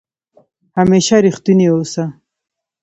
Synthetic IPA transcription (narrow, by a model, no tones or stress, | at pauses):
hameʃaɾiχt̪iniosa